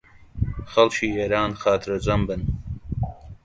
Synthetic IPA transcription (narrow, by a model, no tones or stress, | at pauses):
xɐlt͡ʃʰiːeːɾaːnxaːt̪ʰɨɾɐd͡ʒɐmbɨn